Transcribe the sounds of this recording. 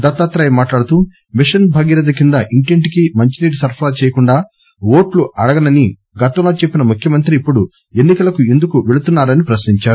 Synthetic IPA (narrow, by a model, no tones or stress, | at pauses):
d̪ɐt̪ːaːt̪ɾɐjmaːʈlaːɽut̪uː | miʂɐnbʱɐɡiɾɐd̪ɐkind̪ɐʔiɳʈeɳʈikimɐɲt͡ʃiniːʈsɐɾpʰlaːt͡ʃɛːjɐkuɳɖaː | wo̞ːʈluʔɐɽɐɡɐnɐni | ɡɐt̪ɐmloːt͡ʃepːinɐmukʰjɐmɐnt̪ɾiːpːuɽu | e̞nːikɐlɐkue̞nd̪ukuʋe̞ɭut̪unːaːɾɐnipɾɐsniɲt͡ʃaːɾu